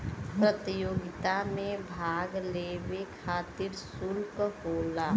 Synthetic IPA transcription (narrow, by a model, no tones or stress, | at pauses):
pɾət̪ijoːɡɪt̪amẽbʱaːɡlewekʰaːt̪ɪɾsʊlkɦoːlaː